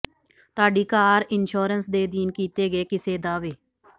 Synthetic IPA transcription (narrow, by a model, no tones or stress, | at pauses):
t̪ʊaːɖiːkaːɾɪnʃoːɾənsd̪eːd̪iːnkiːt̪eːɡeːkɪseːd̪aːʋeː